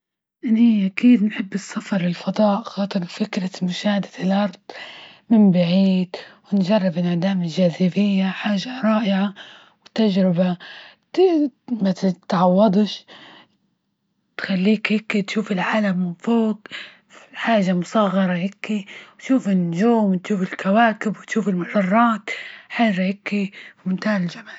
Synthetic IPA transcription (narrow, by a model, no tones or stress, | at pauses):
ʔɪniʔakiːd̪nħɪbːɨsːafɑɾˤɪlfɑd̪ˤɑːʔxɑːt̪ˤɨɾfɪkɾamʊʃaːhad̪ḁɪlʔɑɾˤd̪ˤ | mɪmbaʕiːd̪wɪnʒɑrˤːɪbɪnʕad̪aːmɪlʒaːzɪbɪjːaħaːʒaɾˤɑːʔɪʕa | wɪt̪ːaʒɾɪba | mat̪ʕɑwːɑd̪ˤʃ | t̪xalːiːkhɪkːit̪ʃuːfɪlʕaːlamɪfoːk | fħaːʒamʊsˤɑɣːɑɾˤɑhɪkːiwt̪ʃuːfɪnːʊʒuːmt̪ʃuːfɪlkawaːkɪbwɪt̪ʃuːfɪlmʊħɑrˤːɑːt̪ħaːʒahɪkːiwmʊnt̪aːʕɪlʒamaːl